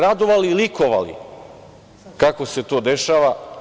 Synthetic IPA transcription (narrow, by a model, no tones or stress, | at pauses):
ɾad̪oʋaliːliko̞ʋa̰lḭ | kakose̞t̪o̞ːd̪e̞ʃaːʋa